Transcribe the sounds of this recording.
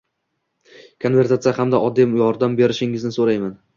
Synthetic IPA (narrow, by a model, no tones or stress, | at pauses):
kʰonve̞ɾt̪ʰat̪sɪjahamd̪aʔɒd̪ːɪmjɒɾd̪ambeɾɪʃɪŋɪznɪsoɾajman